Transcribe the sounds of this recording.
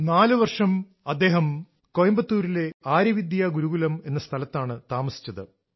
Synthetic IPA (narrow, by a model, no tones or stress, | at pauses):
naːlɨʋɐrʂɐm | ɐd̪ːe̞ːɦɐm | kojɐmbɐt̪ːuːɾile̞aːɾɐʋid̪jaɡuɾuɣulɐme̞nːɐst̪ʰɐlɐt̪ːaːɳɨt̪aːmɐsi̥t͡ɕːɐðɨ